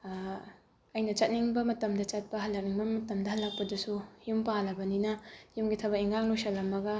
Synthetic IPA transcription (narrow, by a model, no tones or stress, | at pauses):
ɐjnɐt͡ʃɐt̚niŋbɐmɐtɐmdɐt͡ʃɐt̚pɐɦɐlːɐk̚niŋbɐmɐtɐmdɐhɐlːɐk̚pɐdusujumpalɐbɐninɐjumɡitʰɐbɐkiŋaŋlujsɐlɐmːɐɡɐ